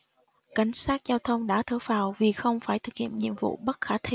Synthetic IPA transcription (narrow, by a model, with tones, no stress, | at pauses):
ka˨˩˦jŋ̟saː˦˥t̚zaː˧wt̪ʰə˧wŋ͡mɗa̰ː˧˥t̪ʰɨː˧˩faː˨˩wvi˨˩xə˧wŋ͡mfaː˧˩jt̪ʰɨ˨˩k̚hḭ˧˨əmɲḭ˧˨əmvṵ˧˨ɓə˦˥t̚xaː˨˦t̪ʰi˧